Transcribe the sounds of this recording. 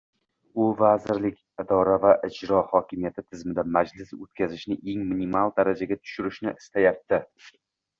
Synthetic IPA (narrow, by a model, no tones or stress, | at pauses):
ʊvazɪɾlɪkʲɪd̪ɒɾavaʔɪd͡ʒɾɒhɒkʲʰɪmijat̪ʰɪt̪ʰɪzmɪd̪amad͡ʒlɪsot̪kʲʰazɪʃnɪʔe̞ŋmɪnimalˠd̪aɾad͡ʒaɡʲat̪ʰʊ̥ʃʊɾɪʃnɪɪst̪ajap̚t̪ɪ